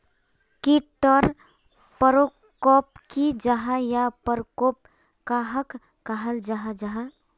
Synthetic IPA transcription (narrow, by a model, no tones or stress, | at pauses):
kiʈːəɾ | pəɾo | kɔpkid͡ʒaɦajapəɾkop̚ | kaɦəkː | əɦəld͡ʒaɦad͡ʒaɦa